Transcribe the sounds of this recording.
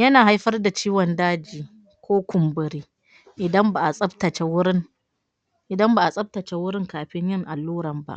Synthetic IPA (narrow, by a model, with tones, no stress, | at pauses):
jɐ˦naː˨ɦa˦jɸɐ˦rda˨t͡ʃiː˦wɔ˨ndaː˦d͡ʒiː˨ | kʷʰoː˦kʷʊ˨mbʊ˨ɾiː˦ | ʔɪ˨dɐ˦mbaː˨ʔa˨sʼɐ˦btɐ˨t͡ʃe˦wʊ˦ɾɪ˦ŋ | ʔɪ˨dɐ˦mba˨ʔa˨sʼɐ˦b̚tɐ˨t͡ʃe˦wʊ˦ɾɪ˦ŋkaː˨ɸɪ˦ɲjɪ˦ŋʔa˨lːuː˦ɽɐ˨mba̰˦ʔ